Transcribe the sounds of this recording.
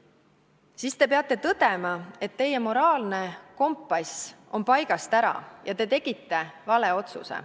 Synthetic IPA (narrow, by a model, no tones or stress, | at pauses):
sist̪e̞peɑt̪ːˑe̞t̪ɤd̪̥e̞mɑe̞t̪ːe̞jːe̞mo̞ɾɑːlne̞ko̞mpːɑso̞mpɑjɡ̥ɑst̪æɾɑ̰jʔɑt̪e̞t̪e̞ɡ̥it̪ˑːe̞vɑle̞o̞t̪sṵse̞̰